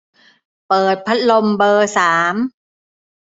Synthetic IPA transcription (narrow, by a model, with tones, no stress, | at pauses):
pɤː˨˩t̪̚pʰa˦˥t̪̚lo˧mbɤː˧saː˩˦m